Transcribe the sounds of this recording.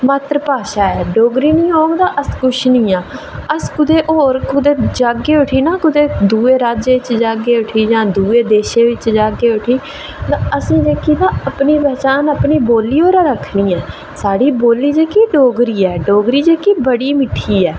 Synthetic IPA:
mət̪ɾpaːʃaːɛːɖoːɡɾiːnĩːoːɡd̪aːʔəskʊʃnĩːaː | əskʊd̪eːʔoːɾkʊd̪eːd͡ʒaːɡeːʊʈʰiːnãːkʊd̪eːd̪uːeːɾaːd͡ʒeːʋɪt͡ʃd͡ʒaːɡeːʊʈʰiːd͡ʒãːd̪uːeːd̪eːʃeːʋɪt͡ʃd͡ʒaːɡeːʊʈʰiː | t̪ãːəsĩːd͡ʒeːkiːd̪aːəpniːpɛːt͡ʃaːnəpɳiːboːliːoːɾaːɾəkʰniːɛː | saːɽiːboːliːd͡ʒeːkiɖoːɡɾiːɛːɖoːɡɾiːd͡ʒeːkibəɽiːmɪʈʰːiːɛː

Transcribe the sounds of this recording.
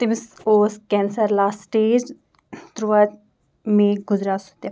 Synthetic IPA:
t̪ɪmɪsoːskɛːnsəɾlaːsʈeːd͡ʒ | t̪ɾuʋad͡ʒ | mẽːɡʊzɾaːsʊt̪e

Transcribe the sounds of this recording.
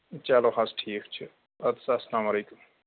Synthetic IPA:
t͡ʃaloxasʈʰiːkt͡ʃʰi | ɐd̪sasɐlaːmɐleːkum

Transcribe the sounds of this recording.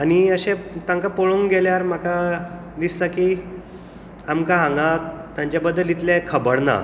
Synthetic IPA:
aniəɕet̪ãŋkapoɭoŋɡeljaɾm̤aka | d̪isːaki | amkaɦãŋɡat̪jãɲt͡ɕjabəd̪ːəlit̪lẽkʰəbəɽna̰

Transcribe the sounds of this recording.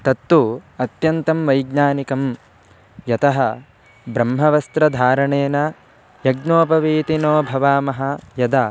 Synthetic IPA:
t̪ɐt̪ːuɐt̪jɐnt̪ɐmʋɐjɡɲaːnikɐm | jɐt̪ɐɦɐ | bɾɐmɦɐʋɐst̪ɾɐd̪ʱaːɾɐɳeːnɐ | jɐɡnoːpɐʋiːt̪inoːbʱɐʋaːmɐɦɐ̆jɐd̪aː

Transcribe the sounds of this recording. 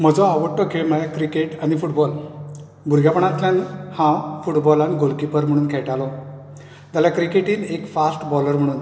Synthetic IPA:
m̤əd͡zɔaʋəʈːɔkʰeɭməjakɾikeʈanifuʈbɔl | bʱuɾɡjapəɳat̪ljãnhãfuʈbɔlaniɡolkipəɾm̤əɽ̃uːnkʰɛʈalɔ | t̪alakɾikeʈiːnekfasʈbɔləɾm̤əɽ̃uːn

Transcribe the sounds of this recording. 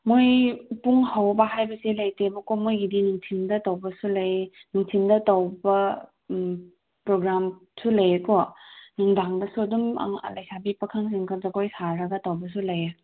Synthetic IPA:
mojpuŋhawbahajbɐselɐjtemɐkomojɡidinuŋtʰindɐtawbɐsulɐjnuŋtʰindɐtawbɐ | pɾoɡɾamsulɐjekonuŋdaŋdɐsuɐduma̰ŋ̰lɐjsabipɐkʰaŋs̬iŋkʰɐzɐkojsaɾɐɡɐtawbɐs̬ulɐja

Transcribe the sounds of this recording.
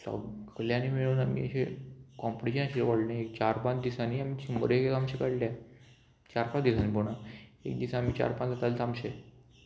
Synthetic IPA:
sɔ̰bkʰəljãnimiɭuːnamḭːəɕekɔ̃mpəʈiɕənaɕilʋoɽnẽek̚t͡ɕaɾpãt͡ɕd̪isaniːamiːt͡ɕimə̰ɾesamɕekəɽla | t͡ɕaɾpat͡ɕd̪isaniːpoɽ̃aḛk̚d̪isaːmiːt͡ɕa̰ɾpad͡zat̪alsamɕe

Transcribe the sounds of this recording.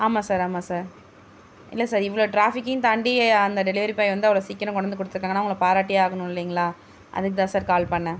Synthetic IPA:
aːmaːsaːɾaːmaːsaːɾ | ɪ̰lːɐsaːɾɪʋɐɭoːʈɾaːfɪkːɪjʊ̃t̪ɐɳɖɪɐɐnd̪ɐɖɛlɪʋɐɾipaːjʋɐnd̪ɯɐʋɐɭoːsiːkːɐɾʊ̃kɔɽɐnd̪ɯk̬ɔɽɯt̪ːɪɾɯkːaːŋɡɐnaːʊŋɡɐɭɐpaːɾaːʈːijaːɣɐnʊ̃ɪlːiːŋɡɐɭaː | ʔɐ̰ðɯkːɯt̪ãːsaːɾkaːlpɐɳːɐ

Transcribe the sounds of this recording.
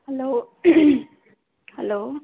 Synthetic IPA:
hɛlo | hɛloː

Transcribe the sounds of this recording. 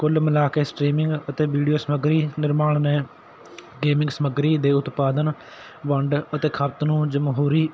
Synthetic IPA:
kʊlməlaːkeːsʈɾiːmɪŋɡət̪eːʋiːɖijoːsəməɡɾiːnɪɾmaːɳnẽː | ɡeːmɪ̃ŋɡsəməɡɾiːd̪eːʊt̪paːd̪ən | ʋəɳɖət̪eːkʰət̪nũːd͡ʒəmɦuːɾiː

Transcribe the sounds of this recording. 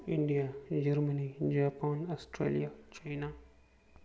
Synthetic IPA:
indijad͡ʒɐɾmanid͡ʒapanastɾḛlijat͡ʃajna

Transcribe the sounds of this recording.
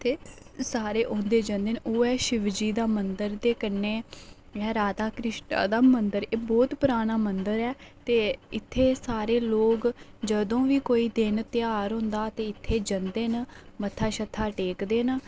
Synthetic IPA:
t̪ʰeː | saːɾeːʔõːnd̪eːd͡ʒənd̪eːnoːɛːʃɪʋd͡ʒiːd̪aːmənd̪əɾd̪eːkənːeː | ɛːɾaːd̪aːkɾɪʃʈa̰ːd̪aːmənd̪əɾeːbɔːt̪pʊɾaːɽ̃aːmənd̪əɾɛːt̪eːɪt̪ʰːeːsaːɾeːloːɡd͡ʒəd̪õːʋiːkoːiːd̪ɪnt̪ɪjaːɾɦʊ̃ːnd̪aːt̪eːɪt̪ʰːeːd͡ʒənd̪eːnmət̪ʰːaːʃət̪ʰːaːʈeːkd̪eːn

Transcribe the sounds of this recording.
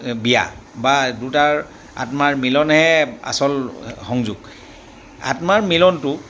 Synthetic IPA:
bija̰badutaɹ | a̰tmaɹmilɔnhɛa̰sɔlxɔŋzuɡ | a̰tmaɹmilɔntʊ

